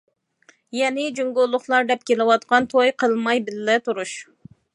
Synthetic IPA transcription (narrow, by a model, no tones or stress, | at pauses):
jɛnɪd͡ʒuŋɡolˠːʊχlˠɑɾd̪ɛp̚kʲʰelɪwɑt̪̚qɑnt̪ʰojqʰəlˠmɑjbɪlːɛt̪uɾuʃ